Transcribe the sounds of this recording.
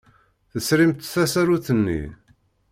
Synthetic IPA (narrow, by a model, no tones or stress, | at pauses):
θəsɾimt̪θæsæɾuθənːḭ